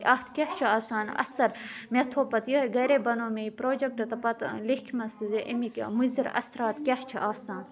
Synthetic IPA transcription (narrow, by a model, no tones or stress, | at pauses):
ʔɐt̪ʰkʲeht͡ʃʰuaːsaːnɐ̰sɐɾmet̪ʰoːpɐt̪joɡɐɾeːbɐnoːmeipɾoːd͡ʒɐk̚ʈɐt̪ɐpɐt̪likʲʰmɐszeʔḭmikmuziɾɐ̰sɾaːt̪kʲeht͡ʃʰiʔaːsaːn